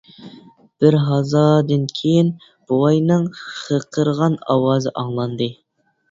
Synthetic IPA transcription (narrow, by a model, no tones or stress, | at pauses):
b̥ɪɾɦɑzɑd̪ɨnkʲʰejin | b̥uʁɑjnɨŋχəqʰəɾʁɑnɑwɑːzɨʔɑŋlˠɑnd̪ɨ